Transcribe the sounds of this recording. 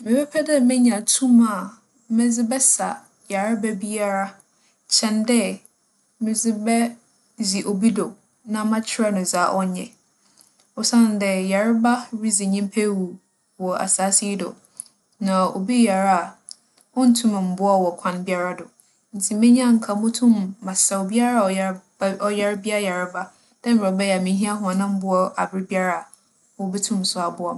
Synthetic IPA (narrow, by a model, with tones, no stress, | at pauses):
mɪ̃˨pʰɛ˦pʰɛ˦dɛ˦mɪ̃˦ɲã˨tʰũ˦ma˨ | mɪ̃˦d͡zɪ˦bɛ˦sa̰˨ | ja˨ɾɪ˦ba˦bi˦a˦ɾa˦ | t͡ɕʰɛ̃˨ndɛ˦ | mɪ̃˨d͡zɪ˦bɛ˦ | zi˨ʔo˨bi˦dɔ˨ | nã˦mã˦t͡ɕʰɪ˦ɾa˦nʊ̃˨za˨˦ʔɔ˦ɲɛ̰̃˨ | ɔ˨sã˦˨n̩˨˦dɛ˦ja˨ɾɪ˦ba˦ɾi˦zɪ˨ɲĩ˦m˦pʰɛ˦wu˨ | wɔ˨a̰˨saː˨˦si˦dʊ̰˨ | nã˨o̰˨bi˦ja˨ɾa˦a˨ | ɔ̃˦n̩˦tʰũ˦m˨m̩˦bʊ˦a˦˨wɔ˨kʷʰã˨˦nbɪ˦a˦ɾa˦dʊ˨ | n̩˨tʰi˨mɪ̃˦ɲ˦ã˦˨ŋ̩˨kʰa˨mʊ̃˦tʰʊ̃˦mːã˨sa˨o˨bi˦a˦ɾa˦˨ɔ˨˦ | ɔ˦jɛ˦ɾbi˦a˦ja˨ɾɪ˦ba˦ | d̥ɛ˦m̩˨a˨˦bɛ˦jmɪ̃˨n˦ɦi˦a˦ɦʊ̃˨a˨nã˦m̩˦bʊ˦ɔ˦a˨bɾɪ˦bi˦a˦ɾa˨a˨ | wɔ˦bi˦tʰʊ̃˦msʊ˦a˨bʊ˦ɔ˨